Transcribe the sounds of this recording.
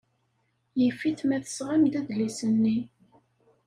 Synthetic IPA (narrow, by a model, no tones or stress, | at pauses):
jəfːiθmæθə̥sʁamd̪æðlisənːi